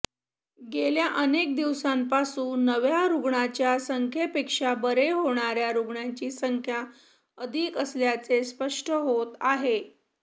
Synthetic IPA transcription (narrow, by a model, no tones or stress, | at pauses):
ɡeljaʔənek̚d̪iʋsampasuːnːəʋjaɾuɡɳat͡ɕjasəŋkʰepekʂabəɾeɦoɳ̃aɾjaɾuɡɳaɲt͡ɕiːsəŋkʰja | əd̪ʱiːkəsljat͡sespəʂʈʰəɦot̪aɦe